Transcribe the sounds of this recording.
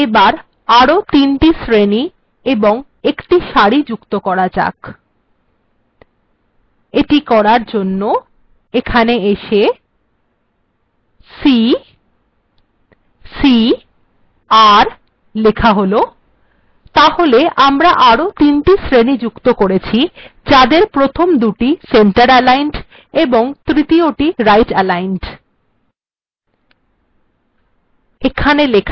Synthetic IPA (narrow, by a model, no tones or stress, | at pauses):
ebaɾ | aɾot̪inʈisɾeni | eboŋ | ekʈiʃaɽid͡ʑukt̪okɔɾad͡ʑa̰k | eʈikɔɾaɾd͡ʑonːo | ekʰaneeʃe | si | si | aɾ | lekʰaɦolo | t̪aholeʔamɾaʔaɾot̪inʈisɾenid͡ʑukt̪okoɾet͡ɕʰid͡ʑad̪eɾpɾot̪ʰomd̪uʈiseɳʈaɾɛlajnɖ | eboŋt̪ɾit̪ioʈiɾajʈɛlajnʈ | ekʰanelekʰa